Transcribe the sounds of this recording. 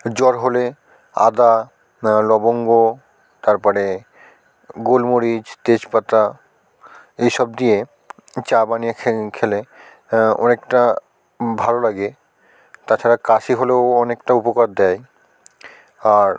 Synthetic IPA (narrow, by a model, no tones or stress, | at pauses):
d͡ʑɔɾɦole | a̰d̪a | lɔboŋɡo | t̪aɾpɔɾe | ɡolmoɾid͡ʑt̪ed͡ʑpat̪a | ejʃɔb̚d̪ije | t͡ɕabanijekʰkʰele | ɔ̰nekʈa | bʱalolaɡe | t̪at͡ɕʰaɾakaʃiɦoleoɔnekʈaupokaɾd̪ɛj | aɾ